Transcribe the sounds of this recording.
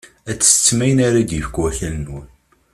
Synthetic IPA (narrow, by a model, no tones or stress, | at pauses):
æt͡sːst͡sːmæjənaɾad̪jəfəkwæçælnwən